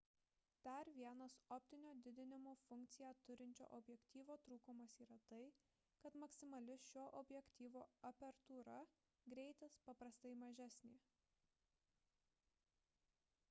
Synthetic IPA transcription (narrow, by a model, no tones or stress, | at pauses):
d̪̥ɐɾʋʲiɛnɐsɔpʲt̪ʲɪnʲoːd̪ʲɪd̪ʲɪnʲɪmoːfʊŋʲk̚t̪sʲɪjæːt̪ʊɾʲɪnʲt͡ʃʲo̰ːʔɔbʲjɛkt̪ʲiːʋoːt̪ɾuːkʊmɐsiːɾɐt̪ɐɪ | kɐt̪mɐksʲɪmɐlʲɪʃʲoːʔɔbʲjɛkt̪ʲiːʋoːɐpʲɛɾt̪uːɾɐ | ɡɾʲɛɪt̪ʲɛspɐpɾɐst̪ɐɪmɐʒʲæsʲnʲeː